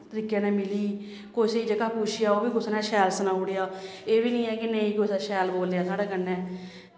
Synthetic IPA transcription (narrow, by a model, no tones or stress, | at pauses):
t̪əɾiːkeːnɛ̃ːmɪliː | koːiseiːd͡ʒəkaːpuːt͡ʃʰɪjaːoːbiːɡʊsnɛ̃ːʃɛːlsənaːʊɽejaːeːbiːnĩːɛːkɪnəĩːkʊsɛːʃɛːlboːlːejaːsaːɖeːkənːɛː